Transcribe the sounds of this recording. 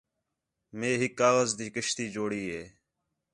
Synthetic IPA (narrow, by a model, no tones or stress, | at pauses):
meːɦɪkːaːɣəzd̪iːkəʃt̪iːd͡ʒoːɽiːɦeː